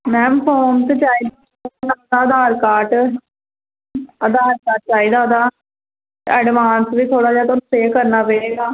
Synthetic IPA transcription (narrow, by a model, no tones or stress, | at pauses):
mɛ̃ːmpʰoːmt̪et͡ʃaːiːd̪a | nad̪aːəd̪aːɾkaːʈ | əd̪aːɾkaːt͡ʃaːiːd̪aːd̪aː | ɛːɖʋaːnsʋiːt̪ʰoːɽaːd͡ʒaːt̪onseːkəɾnaːpeːɾeːɡaː